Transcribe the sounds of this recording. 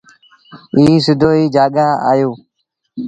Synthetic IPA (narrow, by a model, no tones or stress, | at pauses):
iːsʊd̪oːiːd͡ʒaːɠaːa̰ːjoː